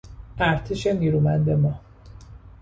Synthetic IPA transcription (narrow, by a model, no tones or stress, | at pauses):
æɾt̪ʰiʃe̞niːɾuːmænd̪e̞mɒː